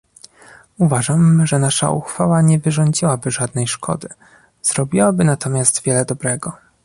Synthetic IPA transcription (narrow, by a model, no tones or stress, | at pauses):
uvaʐamʐɛnaʂa̰ʔuxfawaɲɛvɘʐɔɲd͡ʑiwabɘʐad̪nɛjʂkɔ̰d̪ɘ | z̥ɾɔbʲiwabɘnat̪ɔmʲjast̪vʲjɛlɛd̪ɔbɾɛɡɔ